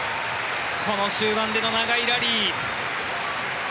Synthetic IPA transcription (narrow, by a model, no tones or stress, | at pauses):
kʰo̞no̞ɕɨːbãnd̪e̞no̞naɡaiɾaɾʲi